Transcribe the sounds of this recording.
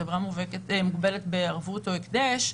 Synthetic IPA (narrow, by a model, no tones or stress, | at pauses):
evʁamuveketmuɡbe̞let̪beaʁvuto̞ikd̪eʃ